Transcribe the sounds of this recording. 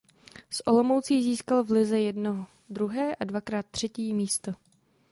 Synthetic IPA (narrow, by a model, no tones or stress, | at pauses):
sʔo̞lo̞mowt͡siːziːskalvlɪzɛjɛdnoɦo | d̪ɾuɦɛːʔadvakɾaːt̪ːr̝̥ɛciːmiːst̪o